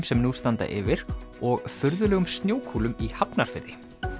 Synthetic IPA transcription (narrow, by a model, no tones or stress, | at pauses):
msɛmnust̪ant̪a̰ʔɪ̰vɪɾɔɣfʏɾðʏlɛːɣʏmst̪njoːwkʰuːlʏmihapnaɾ̥fɪɾðɪ